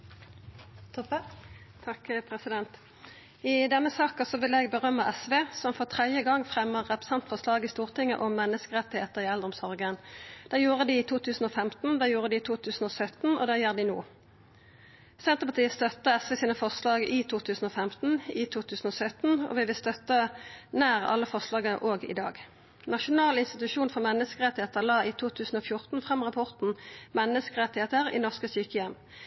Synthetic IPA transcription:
t̪ʰɑkpʰʁɛsɪd̪ɛnt̪ | ɪd̪ɛnːəsɑːkəsɔʋɪlɛːɡbəʁœmːəʔɛsʋeːsɔmfɔʁt̪ʰʁɛd̪jəɡɑŋːfʁɛmːəʁːɛpʁəsɛnt̪fɔʁslɑːɡɪst̪uːʁt̪ɪŋːə̰ʔɔmːɛnːəskəʁɛt̪ːɪheːt̪əʁɪɛld̪ʁɔmsɔʁɡənd̪̥ɛːjuːʁəd̪ɪːt̪ʰuːt̪ʰʉːsn̩oːfɛmt̪n̩d̪ɛjuːʁəd̪ɪt̪ʰuːt̪ʰʉːsn̩oːsœt̪n̩ɔ̰d̪æːjæːʁd̪ɪnuː | sɛnt̪əpɑt̪iːəst̪œt̪ːəɛsʋɛsiːnəfɔʁslɑːɡɪt̪ʰuːt̪ʰʉːsn̩oːfɛmt̪n̩ɪt̪ʰuːt̪ʰʉːsn̩oːsœt̪n̩ɔ̰ːʋɪʋɪlst̪œt̪ːənæːʁɑ̰lːəfɔʁʂlɑːɡəəʔoːɡɪ̰d̪ɑ̰ːɡ | nɑʃʊnɑːlɪnst̪ɪt̪ʉʃuːnfɔʁmɛnːəskəʁɛt̪ːɪheːt̪əʁlɑːit̪ʰuːt̪ʰʉːsn̩ofjʊʁt̪n̩fʁɑmʁɑpʰɔʁt̪n̩mɛnːəskəʁɛt̪ːɪheːt̪əʁɪ̰nɔʁskəsyːkəjɛmː

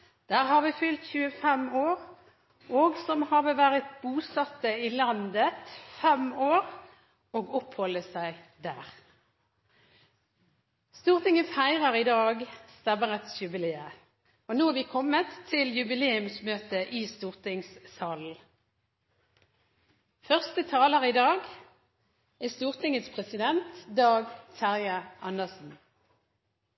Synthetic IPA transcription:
d̪̥æːʁhɑːʁʋɪːfʏlt̪çʉːəfɛmoːʁ | oːɡsɔmhɑːʋəʋæːʁɪt̪̚buːsɑt̪ːəiːlɑnd̪ət̪fɛmoːʁ | oːɡɔphɔlːəsæɪd̪æːʁ | st̪uːʁt̪ɪŋənfæɪʁɑʁɪd̪ɑːɡst̪ɛmːəʁɛt̪sjʉbɪleːə | onoːæʋiːkʰɔmːət̪ʰːɪljʉbɪleːʉmsmøːt̪əʔiːst̪uːʁt̪ʰɪŋssɑːl̩ | fœʁst̪ət̪ʰɑːləʁiːd̪ɑːɡ | æːst̪uːʁt̪ʰɪŋət̪spʰʁɛsɪd̪ɛnt̪d̪ɑːɡsæʁjɑʔɑnəʁsn̩

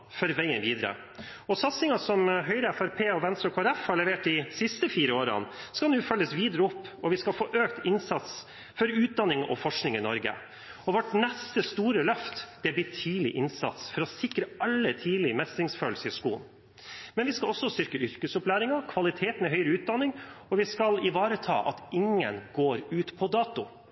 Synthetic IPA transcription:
fɔɾʋæɪənʋiːd̪əɾə̰ | ɔsɑt̪sɪŋɑsɔmɦœʏɾəæfæɾpʰeːɔʋɛnst̪ɾɔkʰoːæɾɛfhɑɭɛʋeːʈ̚d̪ɪsɪst̪əfiːɾəoːɾɑ̰nskɑnuːfœlːəsʋiːd̪əɾəʊpːɔʋɪskɑfoːʔøːkt̪ɪnsɑt̪s | fɔɾʉːt̪̚d̪ɑnːɪŋʔɔ̰fɔʂknɪŋɪnɔɾɡə̰ | ɔʋɔʈnɛst̪əst̪uːɾəlœft̪d̪̥ɛb̪iːʈʰiːlɪʔɪnsɑ̰t̪sfɔɾɔsɪkɾəɑlːət̪ʰiːlɪmɛsɪŋsføːlsəɪskuːn | mɛnʋɪskɑlɔsːɔst̪ʏɾkəʏɾkəsʊplæːɾɪŋɑkʰʋɑlɪt̪ʰeːt̪nɛɦœʏɾəʉːt̪̚d̪ɑnːɪŋɔʋɪskɑlɪʋɑːɾət̪ʰɑ̰ːʔɑ̰t̪ɪŋːənɡoːɾʉːt̪pʰɔd̪ɑːt̪ʊ

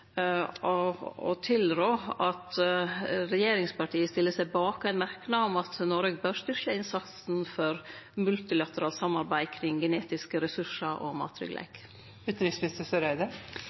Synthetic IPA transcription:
ɔɔ̰t̪ʰɪlɾoːɑt̪ | ɾɛjeːɾɪŋspɑʈʰiːəst̪ɪlːəsæɪbɑːkæɪnmæɾknɑɔmɑt̪nɔɾəɡ̚bøːɾst̪ʏɾʃəɪnsɑt̪sn̩fɔɾmʉlt̪ɪlɑt̪əɾɑːlt̪sɑmːɑɾbæɪkʰɾɪŋːɡɛneːt̪ɪskəɾɛsʉʂɑɾʔɔ̰mɑ̰ːt̪ʰɾʏ̰ɡlʔɛ̰ɪk | ʉt̪ɾɪsmɪnɪst̪əsɔɾæɪd̪ə

